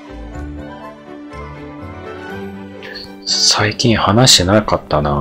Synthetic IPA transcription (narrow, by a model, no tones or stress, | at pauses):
saikʲĩɰ̃hanaɕi̥t̪enakat̪ːana